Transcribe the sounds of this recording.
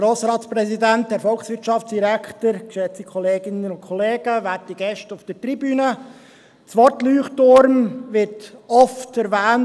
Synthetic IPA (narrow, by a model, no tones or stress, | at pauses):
ɾoːsɾɑːtspɾɛzidænt̚dæːɾfɔlˠχsʋɪɾtt͡ʃɑft͡sd̥iɾækχtəɾkʃɛt͡sikʰɔleːɡɪnənʊntkʰɔleːɡ̥əʋætiɡ̥ɛʃtʊfd̥əɾtɾibyːnə | t͡sʋɔɾtlyːχtʊɾmʋɪrtɔftɛɾvæːn